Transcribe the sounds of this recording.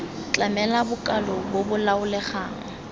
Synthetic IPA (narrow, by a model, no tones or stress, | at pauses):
t͡ɬʼamɛlabʊkʼalɔbobʊlaʊlɛχaːŋ̩